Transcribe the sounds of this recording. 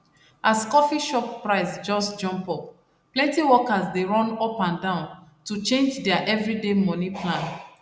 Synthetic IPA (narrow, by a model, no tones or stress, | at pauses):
ʔaskɔfiʃɔppɹaɪsd͡ʒɔsd͡ʒɔ̃mpɔp̚ | plɛ̃ntiwɔkasdeɹɔ̃nɔpãndãʊ̃ntut͡ʃẽnd͡ʒdɛaʔɛvɹidemɔ̃nipʰlãn